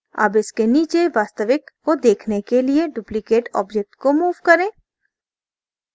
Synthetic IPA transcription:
ɐ̰bɪskeniːt͡ʃeʋaːst̪əʋɪkːod̪eːkʰnekelieɖuːplɪkeːʈɔ̰ːbd͡ʒek̚ʈkomuːʋkɐɾẽː

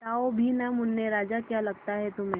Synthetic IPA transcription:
taːobʱinamʊnːeɾaːd͡ʒakjaːlɐɡt̪aɦɛt̪ʊmẽː

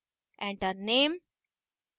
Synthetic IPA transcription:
ʔɛ̃ɳɖəɾnẽːm

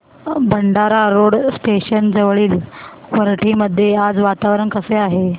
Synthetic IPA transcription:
bʱəɳɖaɾaɾoɽsʈeɕənd͡zəʋɭiːl | ʋəɾʈʰiːməd̪ʱːjead͡zʋat̪aʋɾəɳkəseaɦe

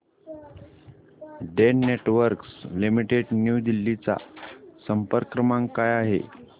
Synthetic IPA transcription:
ɖeneʈʋəɾkslimiʈeɖnjud̪ilːit͡sa̰səmpəɾkɾəmaŋkajaɦḛ

